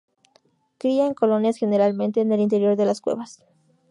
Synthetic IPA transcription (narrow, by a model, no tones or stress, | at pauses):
kɾiaeŋko̞lo̞njasxe̞ne̞ɾalmẽ̞nt̪e̞ːne̞lint̪e̞ɾjo̞ɾðe̞laskwe̞̰βas